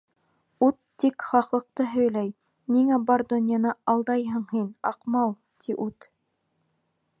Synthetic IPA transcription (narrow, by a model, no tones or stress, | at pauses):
ut̪ːikχɑqlˠɤ̆q̚t̪ɤɦɵ̆jlæj | niŋæbɑɾd̪ŏnʲjɑnɤɑlˠd̪ɑjɦɤ̆ɴhinɑqmɑlˠ | t̪ʰiʔʉt̪